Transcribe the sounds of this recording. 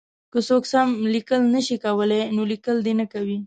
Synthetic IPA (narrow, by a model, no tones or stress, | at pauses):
kəsoksamlikəlnəʃikawəlajnolikəld̪enəkawi